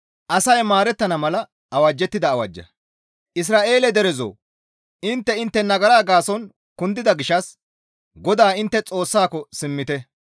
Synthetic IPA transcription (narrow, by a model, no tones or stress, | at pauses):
ʔɐsɐjmaːɾɛt̪ːɐnɐmɐlɐ | ɐwɐd͡ʒːɛt̪ːɪd̪ɐːwɐ̰d͡ʒːɐ̰ | ʔɪs̬ɾaːʔe̞ːlɛd̪ɛɾɛzo̰ː | ʔɪnt̪ːɛɪnt̪ːɛnɐɡɐɾaːɡaːsɔn | kʊnd̪ɪd̪ɐɡɪʃːɐs | ɡɔd̪aːɪnt̪ːɛt͡sʼo̞ːsːaːkɔsɪmːɪt̪ɛ